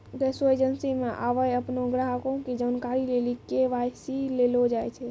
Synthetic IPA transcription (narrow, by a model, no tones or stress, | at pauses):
ɡɛsoed͡ʒənsimeʔa̰ʋəjəpnoɡɾaɦəkõkid͡ʒaːnkaɾilelikeʋajsilelod͡ʒajt͡ʃʰɛ